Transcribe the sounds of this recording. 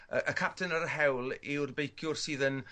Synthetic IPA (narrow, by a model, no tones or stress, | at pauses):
əʔəkʰap̚tʰənəɾəɦɛwlˠɪwrbejkʰjʊrsiːðən